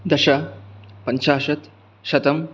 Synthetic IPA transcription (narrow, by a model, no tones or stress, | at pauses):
d̪ɐʃapɐɲʃaːʃɐt̪ | ʃɐt̪ɐm